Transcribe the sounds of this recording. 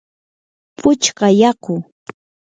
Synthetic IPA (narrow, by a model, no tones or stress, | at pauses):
pʰʊt͡ʃɢɑjɑqʊ